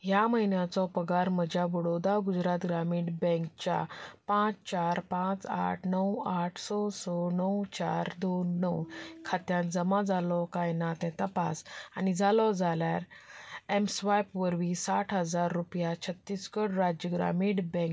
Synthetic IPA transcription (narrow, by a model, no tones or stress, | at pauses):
jaməɦinjat͡sɔpəɡaɾməd͡ʑjabəɽod̪aɡud͡zɾat̪ɡɾamiːɽbɛ̃k̚t͡ɕa̰pãt͡st͡ɕaɾpãt͡sa̰ʈʰnəwaʈʰsɔsɔnəwt͡ɕaɾd̪onːəwkʰat̪jãd͡zəmãd͡zalɔkajnat̪ɛ̃t̪əpa̰sanid͡zalɔd͡zaljaɾemsʋajpʋəɾʋisaʈʰɦəd͡zaɾːupjat͡ɕʰət̪ːiskəɽɾad͡ʑjəɡɾa̰miːɽbɛ̃k